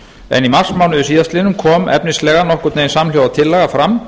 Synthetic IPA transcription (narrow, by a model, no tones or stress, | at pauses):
ɛ̰nimar̥smawnʏðʏsiːðast̪ɪnʏmkʰɔːmɛ̰pnɪslɛːɣanɔhkʏɾt̪neːjnsamljowat̪ʰɪlːɛɣafɾam